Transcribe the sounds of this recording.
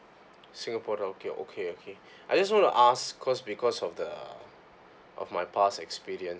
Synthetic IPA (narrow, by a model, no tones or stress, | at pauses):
sĩŋapʰɔɾaokeʔo̰kʰeokʰe | ʔajd͡ʒas̬wɔ̃ntṵʔaskʰɔsbikʰɔsɔfdə | ʔɔ̰fmajpʰasɛkspiɹiə̃ns